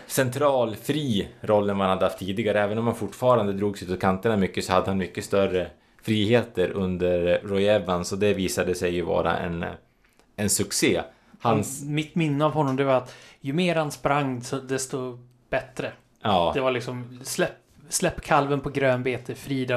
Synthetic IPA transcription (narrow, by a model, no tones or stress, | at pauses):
sɛnt̪ʰɾɑːlfɾiːɾɔlːənmanhad̪ːəhaft̪ʰːiːd̪ɪɡaɾəɛːvənɔmhanfʊʈːfɑːɾand̪əd̪ɾuːɡsʉ̟ːt̪ɔt̪kʰant̪əɳamʏkːəsɔhad̪ːəhanmʏkːəst̪œrə | fɾiːheːt̪əɾɵnd̪əɾːɔʏɛvansɔd̪ɛviːsad̪əsɛjːɵvɑ̰ːɾa̰ʔɛ̰n | ɛnsɵkseː | hanmɪt̪mɪnːəavɦhɔnːɔmd̪ɛvaɾat̪jɵmeːɾhanspɾaŋːsɔd̪ɛst̪uː | b̥ɛt̪ɾə | ɑːd̪ɛvalɪksɔmslɛp | slɛpːkʰalvənpʰɔɡɾøːnbeːt̪ʰəfɾiːd̪a